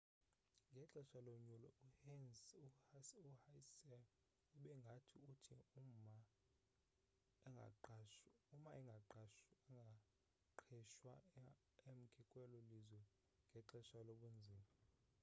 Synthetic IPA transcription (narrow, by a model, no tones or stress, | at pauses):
ŋɡʱɛǁɛʃaloɲulɔuhɛnsuuhasɛ | uɓɛŋɡʱatʰiutʰium̩ma | ɛŋɡʱa̰ | umaʔɛŋɡʱaǃaʃɛŋɡʱa | ǃʰɛʃwa | em̩kʰʼikʼwɛlɔlizwɛ | ŋɡʱɛǁɛʃaloɓund͡zʱiːma